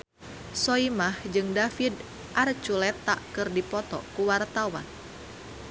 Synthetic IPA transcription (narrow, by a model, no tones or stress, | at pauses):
sɔimahd͡ʒɨŋdafid | ʔart͡ʃulɛt̪ːa̰ʔkɨrdipɔt̪ɔ̰kuwart̪awa̰n